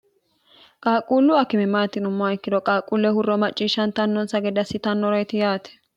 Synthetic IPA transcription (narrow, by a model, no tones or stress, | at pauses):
kʼaːkʼːuːlːʊɐkːɪmɛmaːt̪ːɪnʊmːɔɐɪkːɪd̪ɔkʼaːkʼːuːlːɛhʊrːɔmɐt͡ʃʼːiːʃɐnt̪ɐnːɔnsɐɡɛd̪ɐsɪt̪ɐnːɔɾɐjt̪ɪjaːt̪ɛ̥